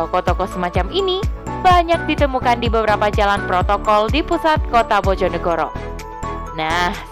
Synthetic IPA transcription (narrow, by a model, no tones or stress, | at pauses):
kɔt̪ɔkɔsəmat͡ʃaminib̥aɲak̚dit̪əmukandibəbəɾapad͡ʒalanpɾot̪ɔkɔldipusat̪̚kot̪abod͡ʒɔnəɡoɾɔ̰ | nah